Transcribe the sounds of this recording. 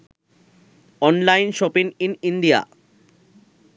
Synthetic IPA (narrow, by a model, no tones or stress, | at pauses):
ɔnlajnʃɔpiŋinind̪ia̰